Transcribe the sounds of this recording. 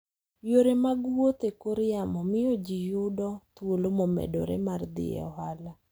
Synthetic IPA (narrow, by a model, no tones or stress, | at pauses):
joɾemaɡwot̪ekoɾjamɔmɪjɔd͡ʒijʊdɔt̪wolomomḛdo̰ɾḛmard̪ɪ̰ɛ̰ɔhala